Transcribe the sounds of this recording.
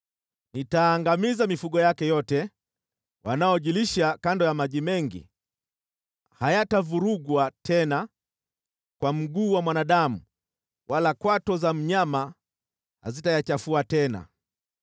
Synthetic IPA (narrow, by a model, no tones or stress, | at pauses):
nitaːŋɡamizamifuɠɔjakɛjɔtɛ | wanaɔʄiliʃakandɔjamaʄimɛŋɡḭ | hajatavuɾuɡwatʰɛna | kwam̩ɡuːwamwanaɗamu | wʔalakwatɔzam̩ɲama | ha̰zitajat͡ʃafuatɛna̰